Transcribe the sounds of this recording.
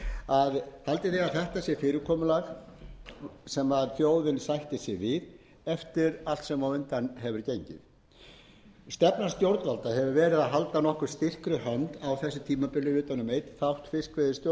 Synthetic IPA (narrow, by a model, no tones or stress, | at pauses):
aðhalt̪ɪθɛɣaθɛht̪asjɛfɪːɾɪkʰɔːmʏlaɣ | sɛmaðθjoːwðɪnsajht̪ɪsjɛvɪð | ɛft̪ɪɾal̥t̪sɛmawʏnt̪anɦɛvʏɾ̥cejɲcɪ̰ð | st̪ɛpnḁst̪jowɾt̪valt̪aɦɛvʏɾvɛːɾɪðaðɦal̪t̪anɔhkʏɾ̥st̪ɪr̥kɾʏhœnt̪awθɛsːʏ̥t̪ʰiːmapɪlːʏʏːt̪anʏmejt̪θawht̪fɪskvɛðɪst̪jo